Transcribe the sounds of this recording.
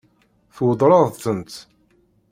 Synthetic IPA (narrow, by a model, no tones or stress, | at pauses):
θwəd̪ˤɾˤɑðˤθənt̪